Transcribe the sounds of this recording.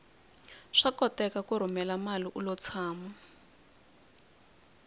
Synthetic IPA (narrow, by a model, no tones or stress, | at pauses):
ʂakɔtɛkakuɾ̤umɛlamaliʔulɔt͡sʰaːmɔ